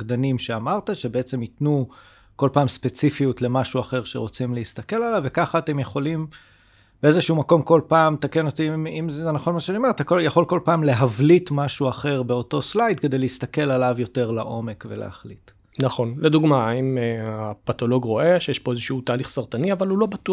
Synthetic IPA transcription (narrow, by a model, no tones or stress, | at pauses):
ɡd̪animʃeamaʁt̪aʃe̞beet͡se̞mitnu | ko̞lpaːmspe̞t͡sifijutle̞maʃuaχe̞ʁʃeʁo̞t͡simleist̪ake̞lalavːe̞kaχaːte̞mjeχo̞lim | b̥eezeʃuumako̞mko̞lpaːmtake̞no̞t̪imimzzenaχo̞nmaʃanimet̪akojaχo̞lko̞lpaːmle̞ɦavlitmaʃuaχe̞ʁbe̞o̞to̞slajtke̞d̪e̞jleist̪ake̞lalavjo̞te̞ʁla̰ʔo̞me̞kve̞̰lḛha̰χlḭt | naχo̞nled̪uɡmaimeapatolo̞ɡʁo̞e̞ʃejeɛʃpo̞ezeʃuutaːliχsaʁt̪aniavalulo̞batu